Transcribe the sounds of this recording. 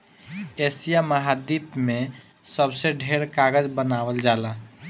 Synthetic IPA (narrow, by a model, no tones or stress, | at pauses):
esijaməɦad̪ipmẽ | səbseɖʱeɾkaɡəd͡ʒbənawəld͡ʒala